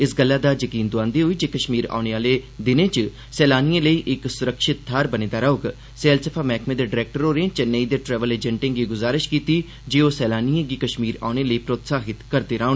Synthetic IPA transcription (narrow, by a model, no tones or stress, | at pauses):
ɪsɡəlːaːd̪aːd͡ʒəkiːnd̪ʊãːnd̪iːɦoiːd͡ʒeːkəʃmiːɾa̰ːʊɳeːaːleːd̪ɪnẽːt͡ʃ | sɛːlaːniẽːləiːʔɪksʊɾəkʃɪt̪̚ʰːaːɾbənẽːd̪aːɾaʊɡ | seːlsəpʰaːmɛːkʰmẽːd̪eːɖɪɾɛːk̚ʈəɾoːɾẽːt͡ʃəneiːd̪eːʈɾɛːʋəleːd͡ʒɛɳʈɪ̃ŋɡiːɡʊzaːɾɪʃkiːt̪iː | d͡ʒeːoːsɛːlaːniẽːɡiːkəʃmiːɾa̰ːʊñeːləiːpɾoːt̪saːɦɪt̪kəɾd̪eːɾaːonː